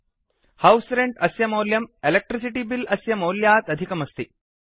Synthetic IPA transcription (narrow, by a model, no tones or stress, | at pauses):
hɐwsɾeɳɖɐsjɐmoːljɐmelek̚ʈɾisiʈibilɐsjɐmoːljaːt̪ɐd̪ʱikɐmɐst̪i